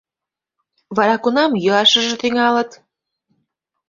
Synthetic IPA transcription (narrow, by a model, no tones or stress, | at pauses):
βɑɾɑkunɑmjøɑʃə̆ʒĕt̪yŋɑlə̆t̪